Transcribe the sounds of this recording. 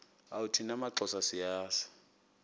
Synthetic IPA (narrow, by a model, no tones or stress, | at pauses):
autʰinamaǁɔsasijaːsḁ